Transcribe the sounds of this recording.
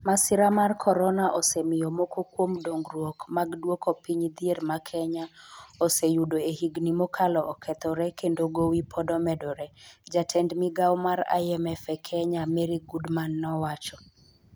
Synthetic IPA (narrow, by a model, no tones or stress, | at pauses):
masɪɾamarkʰɔɾɔnaʔosɛmɪjɔmokokwomdoŋɡɾwokmaɡdwokopiɲd̪iermakʰɛɲaosejudoehiɡnimɔkʰalɔʔːkʰɛt̪ɔɾɛkendoɡowipʰɔdɔmɛdɔɾɛd͡ʒatʰɛndmiɡawmaɾa̰ɛmɛfɛkʰɛɲamɛɾiɡudmanːɔwat͡ʃɔ